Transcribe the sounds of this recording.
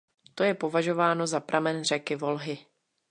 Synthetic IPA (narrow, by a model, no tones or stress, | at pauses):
t̪o̞jɛpo̞vaʒo̞vaːno̞zapɾʔamɛnr̝ɛkɪvo̞lɦɪ